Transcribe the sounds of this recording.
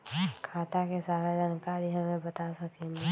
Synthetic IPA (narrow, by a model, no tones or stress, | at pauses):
kʰaːt̪akesaːɾed͡ʒaːnkaːɾiɦɐmẽbət̪asɐkẽːŋɡe